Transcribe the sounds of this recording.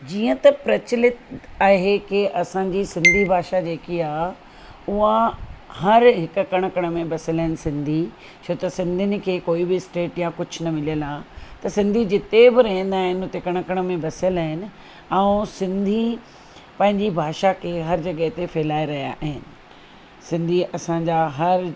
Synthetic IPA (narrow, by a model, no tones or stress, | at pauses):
d͡ʑiːə̃t̪ɐpɾɐt͡ɕɪlɪt̪aːɦekɪʔɐsãːɲd͡ʑisɪ̃nd̪ʱibʱaːʃad͡ʑeːkiaː | ʊɦahɐɾɦɪkʊ̆kɐɽ̃əkɐɽ̃mẽbɐsɪəlaːɦɪnɪ̆sɪ̃nd̪ʱi | t͡ɕʰoːt̪ɐsɪ̃nd̪ʱɪnɪ̆kʰeːkoːibɪsʈeːʈjãkʊd͡ʑʰʱʊ̆nɐmɪlijəlaːt̪ɐsɪ̃nd̪ʱid͡ʑɪt̪ebɪɾɐɦɪ̃n̆d̪aːɦɪnɪʊt̪ekɐɽ̃kɐɽ̃mẽbɐsɪəlaːɦɪnɪ̆ | ɛ̃ũsɪ̃nd̪ʱi | pɐ̃ɦɪ̃ɲd͡ʑibʱaːʃakʰeːɦɐɾd͡ʑɐɠəɦt̪efeːlaːeɾɐɦija̰ʔɦɪnɪ̆ | sɪ̃nd̪ʱiʔɐsãɲd͡ʑaːɦɐɾ